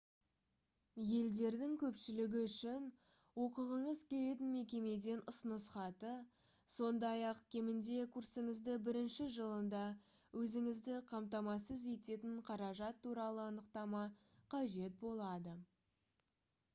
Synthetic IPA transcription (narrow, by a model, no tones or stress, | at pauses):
je̞ld̪e̞ɾd̪ɪŋkʲʰɵpʃɪlɪɡʲɪʏʃɪn | wo̞qəʁəɴəzkʲʰe̞le̞t̪̬ɪnme̞kʲe̞me̞d̪e̞nʊsənəsχɑt̪ə | so̞nd̪ɑjɑqkʲʰe̞mɪnd̪e̞kʰursəŋəzd̪əbɪɾɪnʃɪʒəlˠənd̪ɑ | wʔɵzɪŋɪzd̪ɪqʰɑmt̪ɑmɑsəze̞t̪e̞t̪ɪɴqʰɑɾɑʒɑt̪ːuɾɑlˠəɑnəqt̪ɑmɑqʰɑʒe̞t̪̚bo̞lˠɑd̪ə